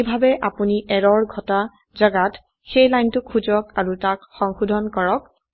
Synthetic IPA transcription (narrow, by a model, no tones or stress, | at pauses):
bʱabɛʔapuniʔɛɹɔɹɡʱɔta | zaɡat | xejlajntʊkʰːuzɔkaɹutakxɔŋxudʱɔnkɔɹɔk̚